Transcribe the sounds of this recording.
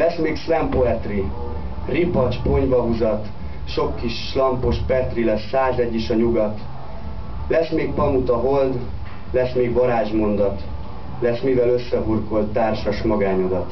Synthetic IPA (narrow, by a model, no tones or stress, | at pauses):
lɛsmeːksɛmpoɛt̪ri | ripɒt͡ʃpo̞ɲvɒɦuzɒt̪ | ʃo̞kːiʃ | lɒmpo̞ʃpɛt̪rilɛsːaːzɛɟːiʃɒɲuɡɒt̪ | lɛsmeːk̚pɒmut̪ɒɦo̞ld̪ | lɛsmeːɡʋɒɾaːʒmo̞nd̪ɒt̪ | lɛsmivɛløsːɛburko̞lt̪ːaːrʃɒʃmɒɡaːɲod̪ɒt̪